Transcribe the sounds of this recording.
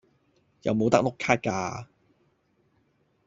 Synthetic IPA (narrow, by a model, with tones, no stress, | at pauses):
jɐ̰˨wmo˨˧wt̪ɐ˥k̚lo˥kʰaː˥t̚kaː˧